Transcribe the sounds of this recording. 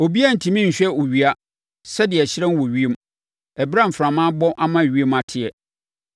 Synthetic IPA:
o˨bi˦a˦˨n̩˨tʰĩ˨mĩ˦ɲ̩˨ɕᶣɛ˦˨o˨ɥi˦a˦ | sɛ˦dɪ˨ɛ˨ɕɪ˦ɾɛ̃˦n˦wɔ˨ɥi˦e˦m | ɛ˨bɾã˦m̩˨fɾã˨mãː˦bɔ̃˦ʔa˦mã˦˨ɥi˦e˦ma˨tʰɪ˨ɛ˨

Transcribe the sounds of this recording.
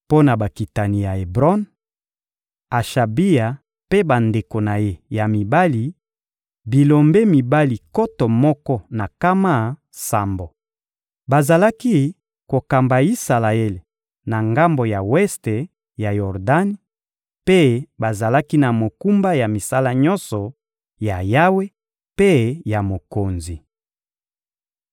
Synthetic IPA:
po˦na˨ba˨ki˨ta˨ni˨ja˨e˨bʁɔ˦n | a˨ʃa˨bi˦ja˨ | pe˦ba˨nde˨ko˨na˨je˦ja˨mi˨ba˦li˨ | bi˨lo˨mbe˦mi˨ba˦li˨ko˦tɔ˨mɔ˦kɔ˦na˨ka˦ma˦ | sa˨mbo˨ | ba˨za˨la˦ki˦ | ko˨ka˨mba˨i˦sa˨la˨e˦le˨ | na˨ŋɡa˦mbo˨ja˨wɛ˦ste˨ | ja˨jɔ˨ʁda˦ni˦ | pe˦ba˨za˨la˦ki˦na˨mo˨ku˦mba˦ja˨mi˨sa˦la˦ɲɔ˦nsɔ˨ | ja˨ja˦we˦ | pe˦ja˨mo˨ko˨nzi˨

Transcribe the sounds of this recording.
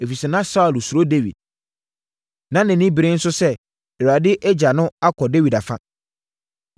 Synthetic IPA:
e˨fi˨sɛ˨nã˦sa˦ʊ˨lsu˨ɾo˦de˦wḭ˨d̚ | nã˨˦nɪ̃˨nĩ˦bɾẽ˦n̩˦sʊ˦sɛ˦ | ɛ˨wa˨dɪ˦ʔɛ˦d͡ʑa˨nʊ̃˦a˦kʰɔ˨de˦wi˨da˨fã˦

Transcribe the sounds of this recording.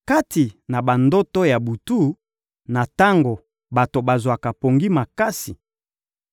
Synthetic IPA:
ka˦ti˨na˨ba˨ndo˦to˦ja˨bu˨tu˦˨ | na˨ta˦ŋɡo˨ | ba˨to˨ba˨zwa˨ka˨po˨ŋɡi˦ma˨ka˦si˨

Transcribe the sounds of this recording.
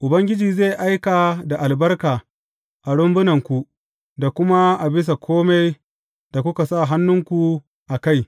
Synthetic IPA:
ʔʊ˨bɐ˦ŋɡʲɪ˦d͡ʒiː˨ze˦˨jʔa˦jkaː˨da˨ʔa˨lbɐ˦rkaː˨ | ʔa˨ɽʊ˦mbʊ˦nɐ˨ŋkʷu˨ | da˨kʷʊ˦ma˦ʔa˨bɪ˦s̬a˨kʰʷoː˦ma˦j | d̥a˨kʷʊ˦ka˨sa˦˨ɦa˦nːʊ˦ŋkʷu˨ | ʔa˨ka˦˨j

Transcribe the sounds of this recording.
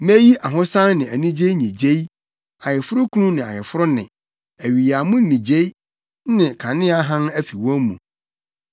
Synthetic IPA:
mæ˦ji˦ʔa˨ɦʊ̃˦sã˦nnɪ̃˨æ˨nĩ˦d͡ʑe˦i˦ɲĩ˨d͡ʑe˦i˦ | a˨jɪ˨fʊ˦ɾʊ˦kʰu˦nũ˦nɪ̃˨a̰˨jɪ˨fʊ˦ɾʊ˦nɪ̰̃˨ | æ˨ɥi˨ja˨mʊ̃˦n˦nĩ˨d͡ʑe˦i˦ | nɪ̃˨kʰã˨nɪ̃˦a˦ɦã˦næ˦fi˨wɔ̃˦mṵ̃˨

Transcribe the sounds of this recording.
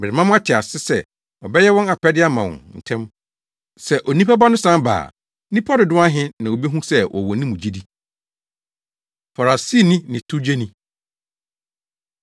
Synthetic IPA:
mɪ˨ɾɪ˨mã˦mʊ̃˦a˦tʰɪ˨a˨sɪ˦sɛ˦ | wɔ˨bɛ˦jɛ˦wɔ̃˦na˨kʰɛ˦dɪ˦a˦mã˨wɔ̰̃˨nn̩˨tʰɛ̃˦m | sɛ˨ʔo˨nĩ˦pa˦ba˦nʊ̃˦sã˦mba̰ː˨˦ | nĩ˦pʰɔ˦dɪ˨dʊ̃˦a˦ɦɪ̃˦nã˨o˨bi˦ɦũ˦sɛ˦wʔɔ̰˨wɔ˨˦nĩ˦mũ˨d͡ʑi˦di˦ | fa˨ɾa˨si˦˨nĩ˦nɪ̃˨tʰu˦d͡ʑe˦nĩ˦

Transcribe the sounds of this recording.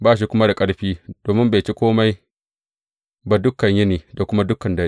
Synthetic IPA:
baː˦ʃ̬i˨kʷʊ˦ma˦da˨kʼɐ˦ɽɸiː˦d̥oː˨mɪ˦mbe˨t͡ʃi˦kʷoː˦ma˦j | ba˨dʊ˦kːɐ˨ɲji˦neː˨da˨kʷʊ˦ma˦dʊ˦kːɐ˨ndɐ˦

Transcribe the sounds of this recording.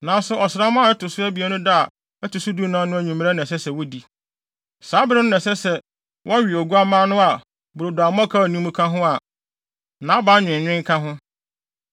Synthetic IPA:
nã˨˦n˦sʊ˨˦ʔɔ˨sɪ˨ɾa˦mã˦˨ɛ˦tʰʊ˨sʊ˦æ˦bi˨æ˦nʊ̃˦da˦a˨ | ɛ˦tʰʊ˨sʊ˦du˦nã˦nʊ̃˦æ˨ɲĩ˨m̃˦ɾa˦nɛ̃˨sɛ˦sɛ˨wɔ˦di˨ | saː˨˦bɪ˦ɾɪ˦n˦nɛ̃˨sɛ˦sɛ˨ | wʔɔ˦ɥi˨ɔ˨ɡu˦a˦mãː˦nʊ̃˦a˨ | bʊ˨ɾʊ˨dʊ˨a˨m˦ã˦kʰa˦˨nũ˦mũ˦kʰã˦ɦʊ̃˦a˨ | nã˨˦ba˨˦ɲᶣɪ̃˨ɲᶣɪ̃˦ŋ̩˦kʰã˦ɦʊ̃˦

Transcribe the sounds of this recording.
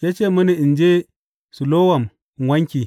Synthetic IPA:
je˦t͡ʃe˦mɐ˦ni˨i˨nd͡ʒe˦ | su˨lo˦wa˨m˨ | wa˦ŋkʲi˨

